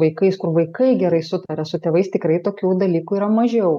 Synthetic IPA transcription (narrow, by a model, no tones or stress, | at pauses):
ʋɐɪkɐɪskʊɾʋɐɪkɐɪɡʲɛɾɐɪsʊt̪ɐɾʲɛsʊt̪ʲeːʋɐɪst̪ʲɪkɾɐɪt̪oːkʲuːd̪ɐlʲiːkuiːɾɐmɐʒʲɛʊ